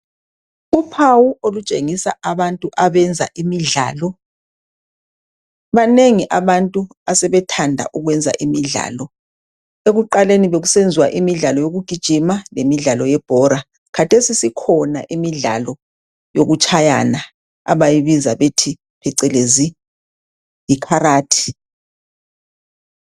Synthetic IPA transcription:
upʰawuolut͡ʃʼeŋisaaβantʼuʔaβɛnd͡zʱa̰ʔimiɮa̰ːlɔ | βaneŋiʔaβantʼu | asɛβɛtʰandʱa̰ʔuɣwɛnd͡zʱa̰ʔimiɮa̰ːlɔ | eɣuǃaleniβeɣusend͡zʱiwa̰ʔimiɮalɔjoɣuɡ̥ʱid̥ʒ̥ʱimalemiɮalɔjɛb̥ʱɔɾa | kʰatʰesisikʰɔna̰ʔimiɮa̰lɔ | joɣut͡ʃʰʼaja̰na | a̰βajiβizaβetʰi | pʰɛǀɛlezi | jikʰaɾaːtʰi̥

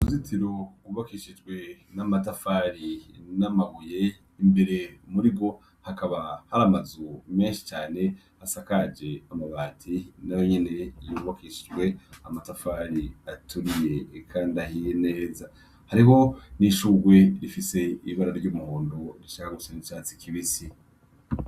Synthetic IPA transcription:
uzitiɾoɡuβakiʃid͡ʒɡwe̞namatafaːɾinamaɡuje̞ | imbe̞ɾe̞muɾiɡo̞ | hakaβahaɾamazume̞ːnʃi̥t͡ʃaːne̞ | hasakad͡ʒe̞amaβaːtʰinajo̞ɲene̞juβokiʃid͡ʒwe̞amatafaɾiatʰuɾije̞kʰaːndiahijene̞ːza | haɾiɦo̞niʃuːɡwe̞ɾifise̞iβaɾaɾɟuːmuhuːndoɾiʃakaɡusanit͡ʃaːt͡si̥kʰiβisi

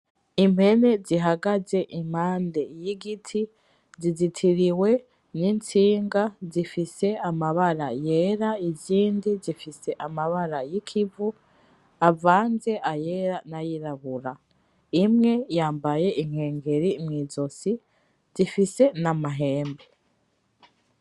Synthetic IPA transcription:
im̥he̞ne̞ziɦaɡaze̞ʔim̥haːnde̞jiɡitʰi | zizitʰiɾiwe̞ | nint͡siːŋɡazifise̞amaβaɾaje̞ɾaiziːndizifise̞ʔamaβaɾajikʰivu | avaːnze̞ʔaje̞ːɾanajiɾaβuɾa | imŋe̞jaːmbaje̞ʔiŋ̥he̞ːŋɡe̞ɾimŋiːzo̞si | zifise̞namaɦe̞ːmbe

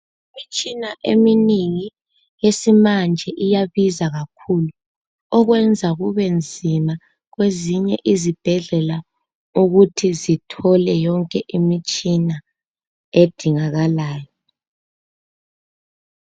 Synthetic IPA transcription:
imit͡ʃʼinaʔeminiŋi | jesimand͡ʒʱɛʔijaβizaɣakʰulu | ɔɣwɛnd͡zʱaɣuβɛnd͡zʱima | ɣweziɲɛʔizib̥ʱɛɮɛla | uɣutʰizitʰɔlɛjɔŋkʼɛʔimit͡ʃʼina | ed̥ʱiŋaɣalaːjɔ

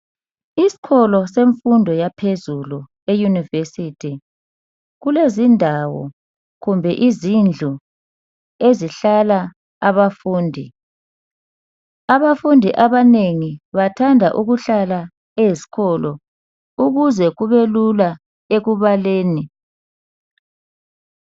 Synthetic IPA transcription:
isi̥ɣɔlɔseɱfundʱɔjapʰezulu | ejunivesitʰi | ɣulezindʱawɔ̰ | ɣumbʱɛʔizind͡ɮʱu | eziɬala | aβafuːndʱi | aβafundʱiʔaβaneŋiβatʰandʱa̰ʔuɣuɬala | eesi̥ɣɔlɔ | uɣuzɛɣuβelula | eɣuβaleːni

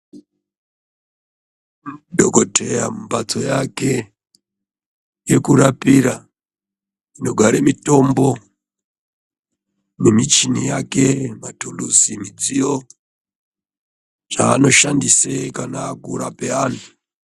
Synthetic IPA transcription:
dʱo̞kotʰe̞jamumbat͡so̞jake | je̞kuɾapiɾa | ino̞ɡʱaɾemito̞mbo̞ | memit͡ʃinijake̞matulusimid͡zijo̞ | ʐaːno̞ʃandisekanaːkuɾape̞aːnu

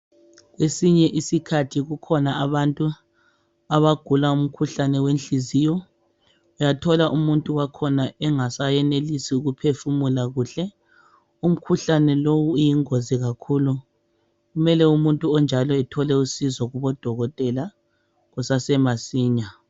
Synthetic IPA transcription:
ɣwesiɲɛʔisikʰatʰiɣukʰɔnaaβantʼu | aβaɡ̥ʱulaum̩kʰuɬanɛwenɬizijɔ | ujatʰɔlaʔumuntʼuwakʰɔnaɛŋasajɛnelisiuɣupʰefumulaɣuːɬɛ | um̩kʰuɬanɛlowujiŋoziɣakʰuːlu | ɣumɛlɛumuntʼuɔnd͡ʒʱalɔɛtʰɔlɛusizɔɣuβɔd̥ʱɔɣɔtʼɛla | ɣusasɛmasiːɲa

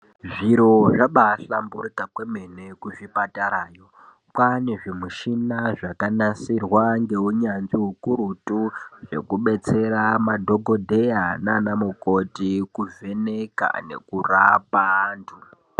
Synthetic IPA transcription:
ʐiɾo̞ʐaɓaɬambuɾikakweme̞ne̞kuʐipataɾaːjo̞ | kwaneʐimuʃinaʐakanasirwaŋɡe̞ɦuɲanziɦukuɾutuʐe̞̰kuɓe̞t͡se̞ɾamadʱo̞ɡʱodʱe̞jananamukotikuve̞neka̰ne̞̰kura̰pandu

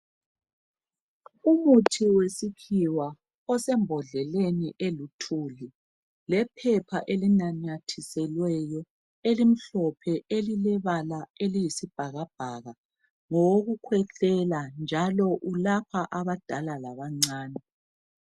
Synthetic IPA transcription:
umutʰiwesikʰiwa | ɔsɛmbʱɔɮɛleniʔelutʰuli | lɛpʰɛpʰaʔelinaɲatʰisɛlwɛjɔ | elim̩ɬɔpʰɛelilɛβalaelijisib̥ʱaɣab̥̚ʱaɣa | ŋɔwoɣukʰwɛɬɛland͡ʒʱalɔʔulapʰaʔaβad̥ʱalalaβaŋ͡ǀaːnɛ

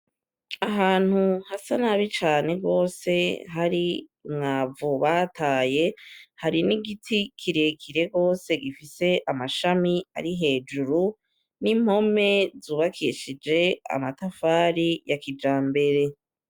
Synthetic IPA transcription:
aɦaːn̥huhasanaβit͡ʃaːne̞ɡo̞ːse̞ɦaɾiŋavuβatʰaːje̞haɾiniɡitʰikʰiɾekʰiɾe̞ɡo̞ːse̞ɡifise̞ʔamaʃamia̰ɾiɦe̞ːd͡ʒuɾu | nim̥ho̞me̞zuːβakʰiʃid͡ʒe̞a̰matafaːɾijakid͡ʒaːmbe̞ɾe̞

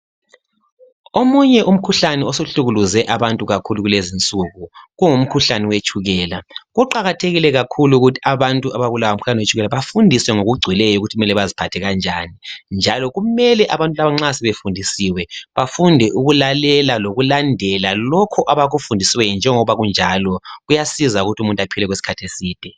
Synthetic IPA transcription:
omuɲɛʔum̩kʰuɬanɛosuɬuɣuluzɛʔaβantʼuɣakʰuluɣulezint͡sʼuɣuɣuŋum̩kʰuɬaniwet͡ʃʼuɣɛːlaɣuǃaɣatʰeɣilɛɣakʰuluɣutʰi̥aβantʼuaβaβulawaum̩kʰu̥ɬanɛwet͡ʃʰʼuɣɛlaβafundʱiswɛŋoɣuɡ͡ǀʱwilɛjɔuɣutʰiɣumɛlɛβazipʰatʰɛɣand͡ʒʱanind͡ʒʱalɔɣumɛlɛʔaβantʼulaβaŋ͡ǀasɛβefundʱisiwɛβafundʱɛʔuɣulalɛlaloɣulandʱɛlalɔkʰɔʔaβaɣufundʱisiwɛjɔnd͡ʒʱɛŋɔβaɣund͡ʒʱalɔɣujasizauɣutʰumuntʼapʰilɛɣwesi̥kʰatʰesiːd̥ʱɛ

